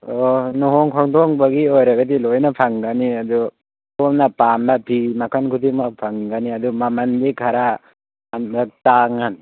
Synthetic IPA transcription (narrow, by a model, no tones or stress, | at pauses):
onuɦɔŋkʰɔŋdɔŋbɐɡiojɾaɡadilojnapʰaŋɡaniad̪u | tomnapamlapʰimakʰankʰudimapʰaŋɡaniadumamɐndikʰaɾa | amdataŋan